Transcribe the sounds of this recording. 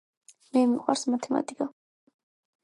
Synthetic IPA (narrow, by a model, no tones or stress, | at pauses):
mɛmiqʼwa̰ɾsmat̪ʰɛma̰t̪ʼikʼa